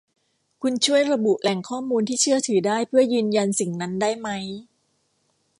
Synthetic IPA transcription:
kʰu˧nt͡ɕʰu˥˩əjɾa˧bu˨˩ʔlɛ˨˩˦ŋkʰɔː˥˩muː˧nt̪ʰiː˥˩t͡ɕʰɯ˥˩ɐt̪ʰɯː˩˦daː˥˩jpʰɯ˥˩ɐjɯː˧nja˧nsi˨˩ŋna˦˥ndaː˥˩jma˦˥j

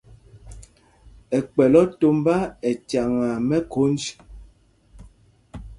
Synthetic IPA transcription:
ɛ˨k͡pɛ˨lɔ˦to˦m˦ba˦ɛ˨t͡ʃa˨ŋa˨mɛ˦kʰo˨˦n˦d͡ʒ

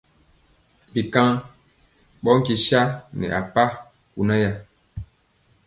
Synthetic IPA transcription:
bi˨kã˦ | ɓɔ˦ŋ̩˦ki˨ʃa˦nɛ̰˨ʔa˨pa˦ | ku˨na˦ja˦

